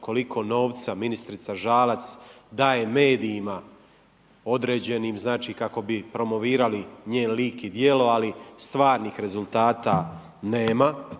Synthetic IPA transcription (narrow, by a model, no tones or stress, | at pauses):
ko̞likʰo̞no̞ːʋt̪saminist̪ɾit̪saʒaːlat̪sd̪aːje̞me̞ːd̪iːma | o̞d̪ɾe̞ːd͡ʑe̞niːmznaːt͡ʃiːkako̞bipɾo̞mo̞ʋiːɾaliɲeːnliːkid̪je̞lo̞alist̪ʋaːɾniːxɾe̞zulˠt̪aːt̪a | ne̞ːma